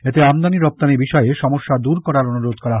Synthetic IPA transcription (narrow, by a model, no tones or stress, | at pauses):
et̪eamd̪aniɾɔp̚t̪anibiʃɔeeʃɔmoʃːad̪uɾkɔɾaɾonuɾod̪kɔɾaɦ